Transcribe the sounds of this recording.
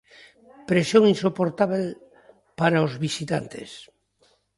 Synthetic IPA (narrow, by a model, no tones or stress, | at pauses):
pɾesjoŋinsopoɾt̪aβel | paɾaozβisit̪a̰nt̪ḛs